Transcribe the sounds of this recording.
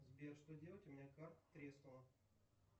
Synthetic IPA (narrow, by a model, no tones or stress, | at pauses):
zbʲerʂt̪odʲelˠətʲʊmʲɪnʲakart̪t̪ɾʲest̪vəlˠə